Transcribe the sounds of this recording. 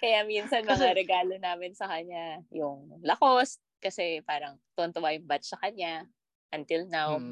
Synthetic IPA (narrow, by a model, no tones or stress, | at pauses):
kɐjaminsɐnmɐŋaɾɛɡaːlo̞naːmɪnsɐkɐɲːajʊŋlɐkos | kɐsɛpaːɾɐŋt̪ont̪ʊwajʊŋbat̪sɐkɐɲːa | ʔɐnt̪ɪlnaw